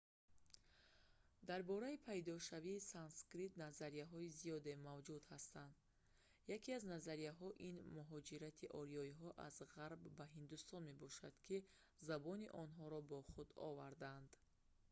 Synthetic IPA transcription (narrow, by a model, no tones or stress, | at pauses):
d̪aɾbɔɾaipʰajd̪ɔʃaviːsanskɾit̪nazaɾijaɦɔizijɔd̪e̞mavd͡ʒud̪hast̪and̪ | jakiaznazaɾijaɦɔʔinmuɦɔd͡ʒiɾat̪ʰiʔɔɾiɔiɦɔʔazʁaɾbːaɦind̪ust̪ɔnme̞bɔʃad̪̥kʰi | zabɔniʔɔnɦɔɾɔbɔχud̪ɔ̰vaɾd̪and̪